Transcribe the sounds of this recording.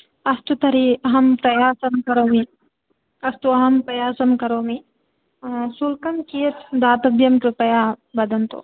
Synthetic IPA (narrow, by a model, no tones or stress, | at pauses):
ɐst̪ut̪ɐɾiɐɦɐmpɾɐjaːsɐmkɐɾoːmi | ɐst̪uɐɦɐmpɾɐjaːsɐmkɐɾoːmi | sulkɐmkijɐt̪d̪aːt̪ɐbjɐmʈupɐjaːbɐd̪ʱɐnt̪o̰ː